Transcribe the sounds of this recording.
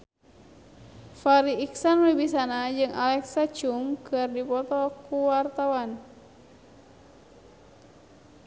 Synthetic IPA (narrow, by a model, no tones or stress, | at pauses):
faɾiːksanwebisanad͡ʒɨŋa̰lɛksat͡ʃuŋkɨrdipɔt̪ɔkuwart̪awan